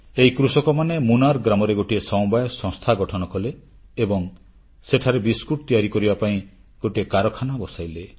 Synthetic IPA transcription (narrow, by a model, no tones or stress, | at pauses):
eikɾusɔkɔmanemunaɾɡɾamɔɾeɡoʈiesɔw̃bajɔsɔ̃ŋst̪ʰaɡɔʈʰɔnɔkɔleː | bɔŋ | seʈʰaɾebiskuʈ̚t̪ijaɾikɔɾibapaĩ | ɡ̥oʈiekaɾɔkʰanabɔsajle